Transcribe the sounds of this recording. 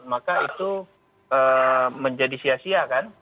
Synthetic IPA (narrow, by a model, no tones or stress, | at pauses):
makait̪u | əməɲd͡ʒadisiasiakan